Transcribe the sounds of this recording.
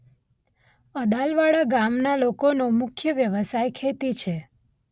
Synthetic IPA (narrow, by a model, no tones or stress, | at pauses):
əd̪alʋaɭaɡamnalokonomʊkʰjəʋjəʋəsajkʰet̪it͡ʃʰe